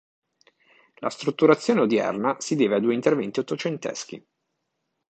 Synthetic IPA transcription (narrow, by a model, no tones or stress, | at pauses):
la̰st̪ɾut̪ːuɾat̪sːjoːneod̪jɛ̰rnasid̪eːvead̪uːeint̪ervɛnt̪iot̪ːot͡ʃent̪ɛ̰sk̟ḭ